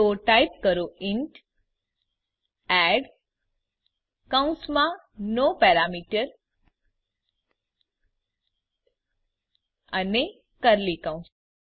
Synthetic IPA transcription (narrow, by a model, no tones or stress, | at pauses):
oʈaip̚kəɾoɪɳʈ | ɛɖ | kaũnsmã | nopɛɾamiʈəɾ | əne | kəɾlikãũns